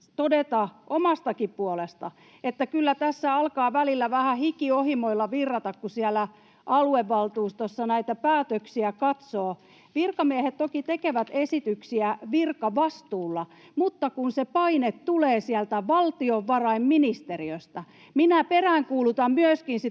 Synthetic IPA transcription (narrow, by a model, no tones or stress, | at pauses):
t̪odet̪ɑʔomɑst̪ɑkippuolest̪ɑ | et̪ːækylːæt̪æsːæɑlkɑːʋælilːæʋæhæhikiohimoilːɑʋirːɑt̪ɑkkusiælːˑæ | ʔɑlueʋːɑlt̪uːst̪osːɑnæit̪æpæːt̪øksiækɑt̪soː | ʋirkɑmiæhet̪tokit̪ekeʋæt̪esit̪yksiæʋirkɑʋɑst̪uːlːɑ | mut̪ːɑkunsepɑinet̪tuleːsiælt̪æʋɑlt̪ioʋːɑrɑimminist̪eriøst̪æ | minæperæːŋkuːlut̪ɑmmyøskinsi